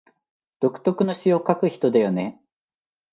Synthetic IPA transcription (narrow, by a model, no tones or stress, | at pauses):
d̪̥o̞kɯ̥t̪o̞kɯ̟no̞ɕiokakɯ̟çi̥t̪o̞d̪ajo̞ne̞